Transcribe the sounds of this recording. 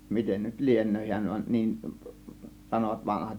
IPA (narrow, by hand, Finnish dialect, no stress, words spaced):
miten nyt lienˑøː hiæn ʋɑ niːn sɑnoʋɑt ʋɑnɑhɑt